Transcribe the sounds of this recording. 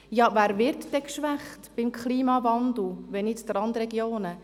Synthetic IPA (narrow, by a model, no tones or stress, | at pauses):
jɑːvæːɾvɪɾtdɛkʃʋæχtb̥imkχliːmɑvɑnd̪l̩ˠʋɛnɪt͡sd̥̪əɾɑndɾɛɡjoːnə